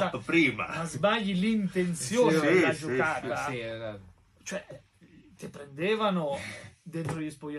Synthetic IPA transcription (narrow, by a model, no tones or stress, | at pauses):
apɾiːma̰mazmaʎilint̪ensjoːad͡ʒokaɾa | t͡ʃoɛ | t̪epɾend̪eːvanod̪ent̪ɾoʎispoja